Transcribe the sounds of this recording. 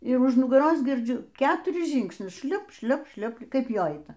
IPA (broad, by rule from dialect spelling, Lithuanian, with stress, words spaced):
ɪr ʊʃ nʊɡɐˈroːs ɡʲɪrʲˈd͡ʒʲʊ ˈkʲæːtʊrʲɪs ˈʒʲiːŋksʲnʲʊs ˈʃʲlʲoːp ˈʃʲlʲoːp ˈʃʲlʲoːp ˈkɐɪp ˈjoː ˈɐɪtɐ